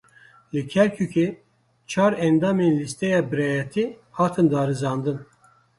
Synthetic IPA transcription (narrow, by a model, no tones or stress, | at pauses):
lɨkʲʰɛɾkʰukʰe | t͡ʃʰɑːɾɛnd̪ɑːmenlist̪ɛjɑːbɨɾɛjɛt̪ʰihɑːt̪ʰɨnd̪ɑːɾɨzɑːnd̪ɨn